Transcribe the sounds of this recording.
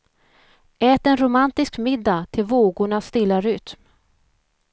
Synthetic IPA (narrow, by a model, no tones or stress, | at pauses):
ɛːt̪ɛnɾʊmant̪ɪskmɪd̪ːat̪ʰɪlvoːɡʊɳast̪ɪlːaɾʏt̪m